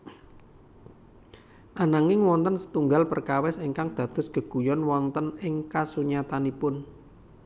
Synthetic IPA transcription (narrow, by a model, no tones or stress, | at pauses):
ʔanaŋɪŋwɔnt̪ənsə̥t̪uŋɡalpərkawɛseŋkaŋd̪̥ä̤d̪̥ʊ̤sɡ̥ə̤ɡ̥ṳjɔnwɔnt̪ənɪŋkasuɲat̪anipʊn